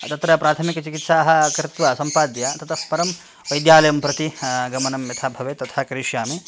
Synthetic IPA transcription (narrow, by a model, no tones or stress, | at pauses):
t̪ɐt̪ɾɐpɾaːt̪ʰɐmikɐt͡ʃikit̪saːɦɐ̆kɾɪt̪ʋɐsɐmpaːd̪jat̪ɐt̪ʰɐpɐɾɐm | ʋɐjd̪jaːlɐjɐmpɾɐt̪iɡɐmɐnɐmjɐt̪ʰaːbʱɐʋeːt̪ɐt̪ʰakɐɾiʃjaːmi